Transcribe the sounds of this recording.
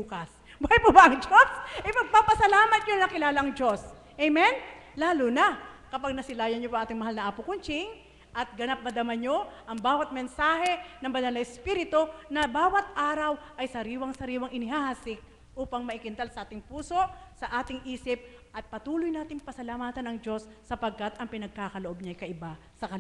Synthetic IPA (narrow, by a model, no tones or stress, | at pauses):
luːkɐs | bʊɐjpʊbɐʔɐŋd͡ʒosʔɪpɐɡ̚papɐsɐlaːmɐt̪̚ɲonɐkɪlaːlɐʔɐŋd͡ʒo̞s | ʔɛjmɛnlaːlʊnɐkɐpaɡ̚nɐsɪlaːjɐnɲopoɐŋʔaːt̪ɪŋmɐhalnɐʔapʊkʊnt͡ʃɪŋ | ʔɐt̪̚ɡɐnap̚mɐd̪ɐmɐɲːo̞ʔɐŋbaːwɐt̪̚mɛnsaːhɛnɐŋbɐnalɐɛspiɾɪt̪o̞nɐbaːwɐt̪ʔaːɾɐwʔɐjsɐɾiːwɐŋsɐɾiːwɐŋʔɪnɪɦahasɪk̚ | ʔuːpɐŋmɐʔɪkɪnt̪ɐlsɐʔaːt̪ɪŋpuːso̞ʔsɐʔaːt̪ɪŋʔiːsɪp̚ | ʔɐt̪̚pɐt̪uːlʊjnaːt̪ɪŋpɐsɐlamaːt̪ɐnɐŋd͡ʒo̞sːɐpɐɡ̚kɐt̪ɐŋpɪnɐɡ̚kaːkɐloʔob̚ɲɐɐjkɐʔɪba | sɐkɐl